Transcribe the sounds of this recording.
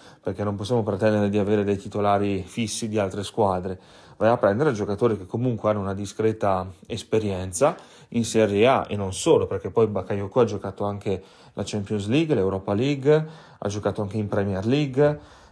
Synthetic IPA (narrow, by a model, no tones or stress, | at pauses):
perk̟enːõmposːjamopɾet̪ɛnd̪eɾed̪iaveːɾed̪ejt̪it̪olaːɾifisːid̪ialt̪ɾeskwaːd̪ɾe | vajapːɾɛnd̪eɾed͡ʒokat̪oːɾikekʰːomuŋkweanːounad̪iskɾɛːt̪aespeɾjɛnt̪sa | insɛɾjeaʔḛnːonsoːloperk̟epːɔjbakːajokːoad͡ʒokaːt̪oaŋk̟e | lʔat͡ʃɛmpjonsliɡlewɾɔːpaliɡ | ʔa̰d͡ʒokaːt̪oaŋk̟eimpɾɛmiɛrliɡ